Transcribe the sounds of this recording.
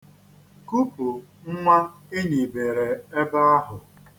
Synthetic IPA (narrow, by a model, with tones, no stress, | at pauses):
ku˦pʊ˨ŋ̩˦ŋʷa˦ | e˦ɲi˨be˨ɾe˨e˦ba˦a˦ɦʊ˨